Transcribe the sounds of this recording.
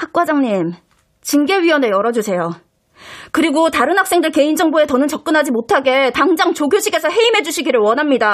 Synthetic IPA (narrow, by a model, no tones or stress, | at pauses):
hak̚k͈wad͡ʑaŋɲim | t͡ɕiŋɡe̞ɥiwʌnejʌɾʌd͡ʑusʰe̞jo | kɯɾiɡotaɾɯnɦak̚s͈e̞ŋdɯɭke̞ind͡ʑʌŋboe̞tʌnɯnt͡ɕʌk̚k͈ɯnɦad͡ʑimotʰaɡe̞taŋd͡ʑaŋt͡ɕoɡjoɕʰiɡe̞sʰʌɦe̞imɦe̞d͡ʑuɕʰiɡiɾɯɭwʌnɦamɲida